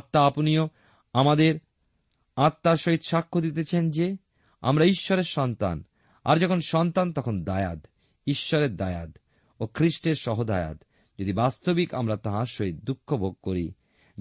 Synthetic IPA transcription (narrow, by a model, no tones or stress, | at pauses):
t̪ːaaponijo | amad̪eɾ | at̪ːaɾʃoɦit̪ʃakʰːod̪it̪et͡ɕʰend͡ʑe | a̰mɾaiʃːɔɾeɾʃɔnt̪a̰n | a̰ɾd͡ʑɔkʰonʃɔnt̪ant̪ɔkʰond̪aea̰d̪ | iʃːɔɾeɾd̪aea̰d̪ | okʰɾiʃʈeɾʃɔɦod̪a̰ja̰d̪ | d͡ʑod̪ibast̪obikamɾat̪aɦaɾʃoɦit̪̚d̪ukʰːobʱoɡ̚koɾḭ